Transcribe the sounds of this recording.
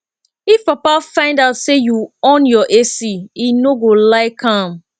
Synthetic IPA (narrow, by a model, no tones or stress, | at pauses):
ifpapafãɪ̃ndaʊtsejuɔ̃njɔʔesiinoɡolaɪkʰãm